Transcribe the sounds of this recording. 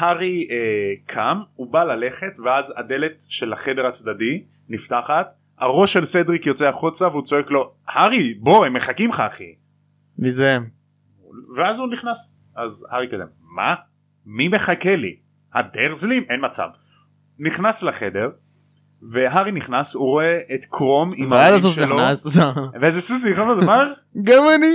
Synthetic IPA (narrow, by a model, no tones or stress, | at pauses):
haʁiekʰamubalale̞χe̞t̪veazad̪e̞le̞t̪ʃe̞laχe̞deʁat͡sd̪adi | niftaχat̪ | a̰ʁo̞ʃelsed̪ʁikjo̞t͡seaχut͡saveut͡so̞eklo̞ | haʁibo̞hemːeχakimχaχḭ | mize | veazuniχnas | ʔazhaʁikadḛm | ma̰ | mime̞χakelḭ | ha̰deʁzlimʔenmat͡sa̰v | niχnaslaχe̞de̞ʁ | ve̞ɦaʁiniχnasuʁo̞eʔet̪kʁo̞mimaaasofʃeeloasveezesus̬iχomazmaʁ | ɡamani